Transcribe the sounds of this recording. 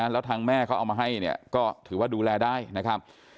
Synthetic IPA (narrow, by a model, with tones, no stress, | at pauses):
lɛː˦˥wt̪ʰaː˧ŋmɛː˥˩kʰa˦˥ʔa˧wmaː˧ɦa˥˩jni˥˩ɐkɔː˥˩t̪ʰɯː˩˦waː˥˩duː˧lɛː˧daː˥˩jna˦˥kʰɾa˦˥p̚